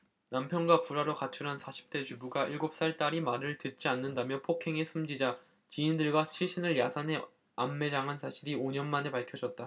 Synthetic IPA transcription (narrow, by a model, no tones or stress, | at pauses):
nampʰjʌnɡwapuɾaɾokat͡ɕʰuɾɦansʰaɕʰi̥p̚t͈e̞t͡ɕubuɡaʔiɭɡop̚s͈aɭt͈aɾimaɾɯɭtɯt̚t͡ɕ͈ianːɯndamjʌpʰokʰe̞ŋe̞sʰumd͡ʑid͡ʑa | t͡ɕiːndɯɭɡwaɕʰiɭɕ͈ʰinɯɭjasʰanɦe̞ | amːe̞d͡ʑaŋɦansʰaɕʰiɾioɲʌnmane̞paɭkʰjʌd͡ʑʌt̚t͈a